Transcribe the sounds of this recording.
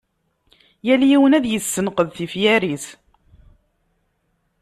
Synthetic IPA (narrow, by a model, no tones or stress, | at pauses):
jæljiwənæðjəsːənqəðθifjæɾiθ